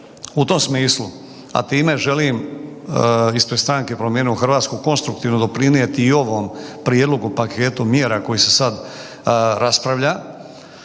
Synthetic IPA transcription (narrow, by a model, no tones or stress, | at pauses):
ut̪o̞msmiːslˠu | a̰t̪iːme̞ʒe̞lim | ispɾed̪st̪ɾaŋke̞pɾomjeːnioxr̩ʋaːt̪skuko̞nst̪ɾuk̚t̪iːʋno̞d̪opɾinijet̪iːo̞ʋoːmpɾied̪lˠoɡupakʰe̞ːt̪umje̞ːɾako̞jise̞sad̪ | ɾaspɾaʋʎa